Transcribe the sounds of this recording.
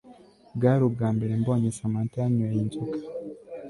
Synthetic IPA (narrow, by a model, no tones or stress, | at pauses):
ɡaːɾubɡaːmbeɾemboɲesamantaɲuajintukḁ